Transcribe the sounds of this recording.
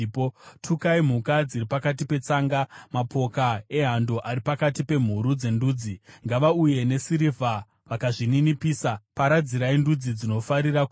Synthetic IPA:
potʰukaim̤ukad͡ziripakat̬ipe̞t͡saːŋɡamapʰo̞kae̞ɦandoʔaɾipakatipe̞m̤uɾud͡ze̞nduːd͡ziŋɡaʋauje̞ne̞siɾivʱa | ʋakaʐininipiːsapaɾad͡ziɾaindud͡zid͡zino̞faɾirak

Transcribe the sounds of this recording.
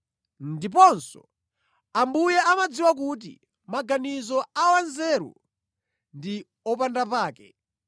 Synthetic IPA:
ndip̬ɔnsɔ̰ | ambujɛamad͡ziwakut̬ḭ | maɡanizɔawanzɛːɾṵ | ndi | ɔpandapaːkɛ̰

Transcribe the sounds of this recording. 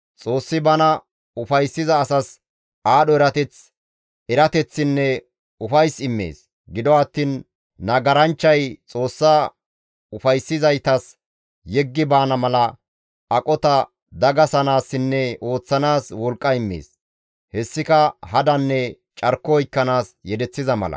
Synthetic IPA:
t͡sʼo̞ːsːɪbɐnɐ | ʊfɐjsːɪzɐːsɐs | aːɗɔɛɾɐt̪ɛt͡s | ɛɾɐt̪ɛt͡sːɪnːɛ | ʊfɐjsɪmːḛːs | ɡɪd̪ɔɐt̪ːiːnː | ɐɡɐɾɐnt͡ʃːɐjt͡sʼo̞ːsːa | ʊfɐjsːɪzɐjt̪ɐs | jɛɡːɪbaːnɐmɐlɐ | ɐkʼɔt̪ɐ | d̪ɐɡɐsɐnaːsːɪnːɛo̞ːt͡sːɐnaːswɔlkʼːɐɪmːḛːs | hɛsːɪkɐhɐd̪ɐnːɛ | t͡ʃʼɐɾkːɔɔjkːɐnaːsjɛd̪ɛt͡sːɪzɐmɐ̰lɐ̰

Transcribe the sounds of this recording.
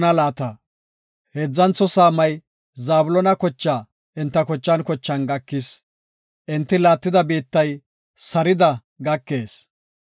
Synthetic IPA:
nɐlaːt̪ɐ | heːd͡zːɐnt͡sːɔsaːmɐj | zaːbʊlɔnɐkɔt͡ʃːaː | ʔɪnt̪ːɐkɔt͡ʃːɐnkɔt͡ʃːɐnɡɐkːɪs | ʔɪnt̪ːɪlaːt̪ːɪd̪ɐbiːt̪ːɐj | sɐɾɪd̪ɐ | ɡɐkːeːs

